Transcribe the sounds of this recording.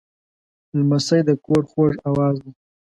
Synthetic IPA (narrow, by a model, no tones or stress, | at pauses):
lmasəjd̪əkoɽxoʐawɑːzd̪a